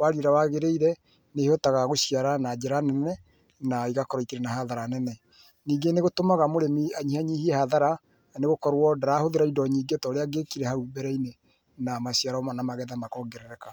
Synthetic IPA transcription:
waɾiɾawaɣeɾeiɾɛ | nehotaɣaɣoɕiaɾanad͡ʑɛɾanɛnɛ | naiɣakɔɾɔikeɾɛnahaðaɾanɛnɛ | niːŋɡeneɣotomaɣamoɾemiaɲihaɲihiɛhaðaɾa | neɣokɔɾwɔdaɾahoðeɾaidɔɲiːɡetɔɾeaɡekiɾɛhaɾubɛɾɛine | namaɕiaɾamanamaɣɛðamakɔːɡɛɾɛɾɛka

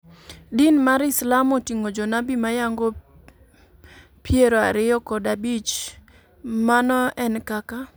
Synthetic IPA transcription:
dinmaɾɪslamotiŋod͡ʒɔnabimajaŋɡo | pjeɾoaɾɪjɔkɔdabit͡ʃ | manɔɛnkaka

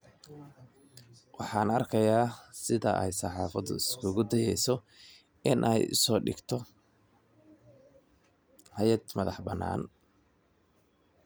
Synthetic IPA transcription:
wɑħɑːnɐrkʰɐjaːsɪðɐ̰ʔɛ̰jsɑħɑːfɐd̪ʊ̰ɪskʰʊɣʊd̪ɐjɛjsɔ | ɪnʔɛ̰jʊ̰sɔːɖɪ̰ɡt̪ʰɔ | hɐjɐd̪mɐðɑħbɐnːa̰ːn

